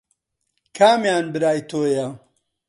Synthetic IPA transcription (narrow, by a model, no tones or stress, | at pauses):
kʰaːmjaːnbɨɾaːjt̪ʰoːjɐ